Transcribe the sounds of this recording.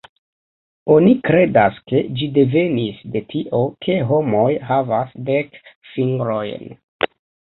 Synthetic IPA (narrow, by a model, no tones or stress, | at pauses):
o̞nikɾe̞daske̞d͡ʒide̞ve̞nisde̞tʰiʔo̞kʰeɦo̞mo̞jɦavasdekfiŋɡɾo̞jn